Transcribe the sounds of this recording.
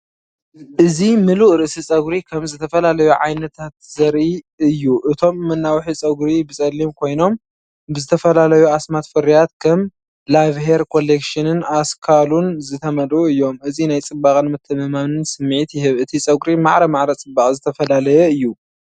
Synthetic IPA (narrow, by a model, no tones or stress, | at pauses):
ʔɨzimɨluʔɾɨʔɨsit͡sʼɐɡɾikʰɐmzɨt̪ʰɐfɐlalɐjuʕajnɐt̪ʰat̪zɐɾi | ɨjːuʔɨt̪ʰo̞mːɐnːawħit͡sʼɐɡɾibɨt͡sʼɐlːimkʰo̞jno̞m | bɨzɨt̪ʰɐfɐlalɐjuasmat̪fɨɾijat̪kʰɐm | lavheɾkʰo̞lekʃɨnɨnaskʰalunzɨt̪ʰɐmɐd̪uɨjːo̞mʔɨzinajt͡sʼɨbːaχʼɨnmɐt̪ʰːɐmɐmanɨnsɨmːʕit̪jɪɦɨβɨt̪ʰit͡sʼɐɡɾimaʕɾɐmaʕɾɐt͡sʼɨbːaχʼzɨt̪ʰɐfɐlalɐjɛɨjːu